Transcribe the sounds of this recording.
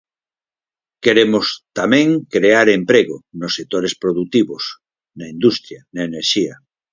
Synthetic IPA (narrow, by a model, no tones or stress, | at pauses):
keɾemost̪amẽŋkɾeaɾempɾeɣonosːek̚t̪oɾespɾoðut̪iβos | naind̪ust̪ɾjanaeneɾʃia